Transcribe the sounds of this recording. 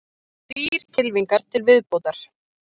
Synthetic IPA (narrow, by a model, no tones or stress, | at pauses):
piːɾ̥cʰɪlviŋkaɾ̥t̪ʰɪlvɪðpoːwt̪aɾ̥